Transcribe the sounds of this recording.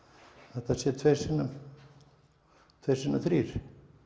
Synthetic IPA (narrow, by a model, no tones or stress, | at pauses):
θɛht̪asjɛt̪ʰvejsɪnːa | t̪ʰvejrsɪnːaθɾiːɾ̥